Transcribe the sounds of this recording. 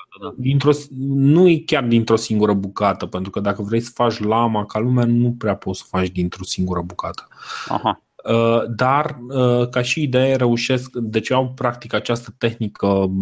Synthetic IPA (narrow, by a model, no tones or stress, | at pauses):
d̪int̪ɾo̞snujekʲard̪int̪ɾo̞siŋɡuɾəbukat̪əpent̪ɾukəd̪akəvɾe̞jsə̥fat͡ʃʲlamakalumeanupɾeapo̞t̪sə̥fat͡ʃd̪int̪ɾo̞siŋɡuɾəbukat̪ə̥a̰ | əd̪arəkaʃiːd̪e̞jeɾe̞uʃe̞skd̪e̞t͡ʃeawpɾak̚t̪ikat͡ʃast̪ət̪e̞xnikə